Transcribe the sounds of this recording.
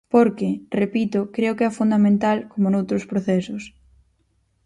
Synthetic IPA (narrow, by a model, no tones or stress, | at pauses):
poɾkɪrepit̪ʊkɾeʊkeɛfund̪amẽnt̪alkomonowt̪ɾʊspɾoθɛsʊs